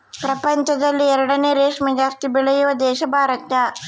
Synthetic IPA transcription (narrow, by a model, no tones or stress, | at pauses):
pɾɐpɐɲt͡ʃɐd̪ɐlːiɛɾɐɽɐneːɾeːʂmɐd͡ʒaːst̪ibɛɭɐjuʋɐd̪ɛːʃɐbʱaːɾɐt̪jɐ